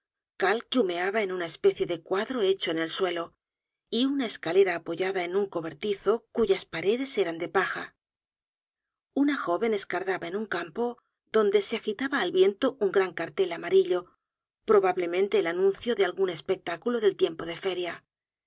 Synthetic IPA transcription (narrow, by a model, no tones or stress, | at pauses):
kalkeume̞aβae̞nunaespe̞θje̞ðekwaðɾo̞e̞t͡ʃo̞ene̞lswe̞lo̞ | iunaeskale̞ɾaːpo̞ʝaðae̞nuŋko̞βe̞ɾt̪iθo̞kuʝaspaɾe̞ðe̞se̞ɾand̪e̞paxa̰ | unaxo̞βe̞ne̞skaɾðaβae̞nuŋkampo̞ | ðo̞nd̪e̞seaxit̪aβaːlβje̞nt̪o̞uŋɡɾaŋkaɾt̪e̞lamaɾiʎo̞ | pɾo̞βaβle̞mẽnt̪e̞ːlanũnθjo̞ðealɣune̞spe̞k̚t̪akuloðe̞lt̪je̞mpo̞ðe̞fe̞ɾja